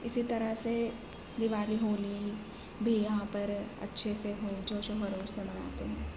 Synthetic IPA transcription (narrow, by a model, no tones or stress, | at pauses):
ɪsit̪ɐɾəɦse | d̪ɪʋaːliɦoːli | bʱijɐɦãpɐɾɐ̰tːʃʰeseɦoːd͡ʒoːʃoɦɐɾoːʃsemɐna̰ːt̪eɦɛ̃ː